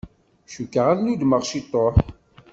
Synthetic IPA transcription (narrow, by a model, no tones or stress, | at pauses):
ʃukːəʁaðnud̪məʁʃit̪ˤːoħ